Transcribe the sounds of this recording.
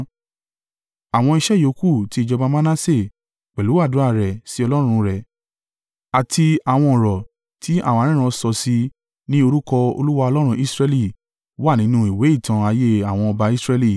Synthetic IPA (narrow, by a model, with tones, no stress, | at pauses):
a˨w̃ɔ̃˧i˧ʃɛ˦jo˨˦ku˦˨ti˦i˧d͡ʒɔ˧ba˧˦ma˦nã˦se˦˨ | k͡pɛ˨lu˨˦a˦˨dũ˨˦a˦˧˨ɾɛ˨si˨˦ɔ˧lɔ˦ɾ̃ũ˧ɾɛ˨ | a˨tʰi˧a˨w̃ɔ̃˧ɔ˨ɾɔ˨ | tʰi˨˦a̰˦˨w̃ɾĩ˦ɾ̃ɔ̃˧sɔ˧si˧ | nĩ˦o˧ɾu˦kɔ˧o̰˧lu˦wa˧ɔ˧lɔ˦ɾ̃ũ˧i˦sɾɛ˧li˦˨ | wa˦˨nĩ˨˦nũ˧i˨we˨˦i˦˨tʰã˧a˧je˦a˨w̃ɔ̃˧ɔ˧ba˧i˦sɾɛ˧li˦˨